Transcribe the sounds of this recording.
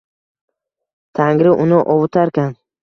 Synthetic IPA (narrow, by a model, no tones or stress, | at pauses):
t̪ʰaŋɾɪʔʊnɪʔɒwʊt̪ʰaɾkʲʰan